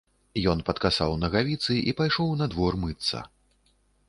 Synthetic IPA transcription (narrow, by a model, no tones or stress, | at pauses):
jɔnpɐt̪kasa̰wnɐɣavʲit̪sɨʔipajʂɔwnɐd̪vɔrmɨt̪sːɐ̰